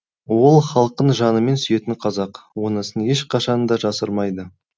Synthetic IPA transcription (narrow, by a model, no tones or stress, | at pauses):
wo̞lˠχɑlˠq̚t̪ənʒɑnəme̞nsʏje̞t̪ɪɴqʰɑzɑqwo̞nəsəne̞ʃqʰɑʃɑnd̪ɑʒɑsəɾmɑjd̪ə